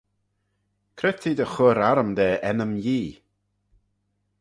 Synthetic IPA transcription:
kʰɾɪt̪ʰid̪əxʊɾaɾəmd̪ɛːʔɛnəmjiː

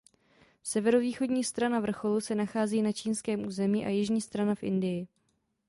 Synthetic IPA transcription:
sɛvɛɾo̞viːxo̞dɲiːst̪ɾanavr̩xo̞lusɛnaxaːziːnat͡ʃiːnskɛːmʔuːzɛmiːʔa̰jɪʒɲiːst̪ɾanafʔɪ̰ndɪjɪ

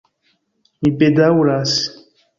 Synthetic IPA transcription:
ibedawuɾas

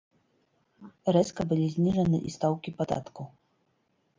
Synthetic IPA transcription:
ɾɛskɐbɨlʲizʲnʲiʐɐnɨ̰ʔist̪awkʲipad̪a̰t̪ku

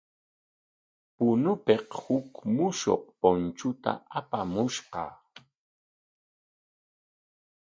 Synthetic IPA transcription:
pʊnʊpeqhʊkmʊʃo̰q̚pont͡ʃʊt̪a̰apamʊʃqɑ̰

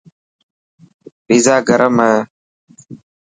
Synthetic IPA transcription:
bizaːɡəɾʔəməː

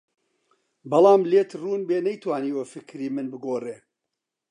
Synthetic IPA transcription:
bɐlɑːmlet̪ruːnbeːnɐjt̪waːniːwɐfɨkɾiːmɨnbɨɡoːreː

